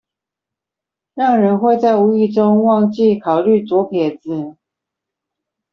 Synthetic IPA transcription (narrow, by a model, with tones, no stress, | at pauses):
ɻɑ˥˩ŋɻə˧˦nxwe˥˧ɪt͡sa˥˩ɪu˧˥i˥˩ʈ͡ʂʊ˦˥ŋwɑ˥˧ŋt͡ɕi˥˨kʰɑ˨˩ʊly˥˩t͡swɔ˧˥pʰjɛ˨˩d͡z̩˨˦